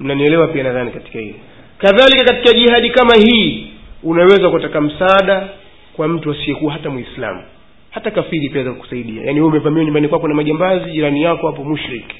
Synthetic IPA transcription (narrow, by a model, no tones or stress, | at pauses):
m̩naniɛlɛwapianaðanikati̥kahḭlɛ | kaðalikakatikaʄihaɗikamahiːunawɛzakuatakam̩saːɗa | kwam̩tuasiɛkuwaɦatamwisla̰mu | hatakafiɾipiazakuku̥saiɗia̰janihuumɛpamiwaɲumbanikwakɔnamaʄambaziʄiɾanijakɔhapɔmuʃɾik